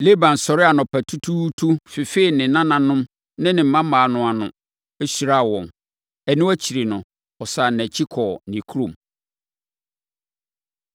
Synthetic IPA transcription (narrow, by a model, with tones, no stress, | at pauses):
le˦bã˨n˨sɔ˨ɾɪ˦a˨nʊ̃˨pʰæ˨tʰu˦tʰu˦tʰu˦fi˨fe˦i˨nɪ̃˨nã˦nã˨nʊ̃˦m | nɪ̃˦nɪ̃˨m̩˨mã˦mãː˨nʊ̃˨a˨nʊ̰̃˨ | æ˦su˨ɾa˦˨wɔ̃˨n | ɛ˨nɪ̃˦æ˦t͡ɕʰi˨ɾi˨nʊ̃˨ | ɔ˨sa˨næ̃˨t͡ɕʰi˦kʰɔ˨nĩ˨kʰu˦ɾõ˨m